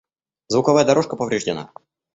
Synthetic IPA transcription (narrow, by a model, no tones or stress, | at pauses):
zvʊkɐvajəd̪ɐɾo̞ʂkəpəvɾʲɪʐdʲɪna̰